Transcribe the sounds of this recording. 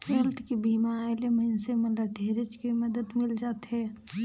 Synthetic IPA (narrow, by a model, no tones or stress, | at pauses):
heːlt̪ʰkibiːmaaelemənsemɐləʈʰeːɾɪt͡ʃkiməd̪əd̪mɪld͡ʒaːt̪ɦɛː